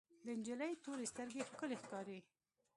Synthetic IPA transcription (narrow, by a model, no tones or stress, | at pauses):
d̪ənd͡ʒələjt̪oɾest̪əɾɡexkəlexkɑɾe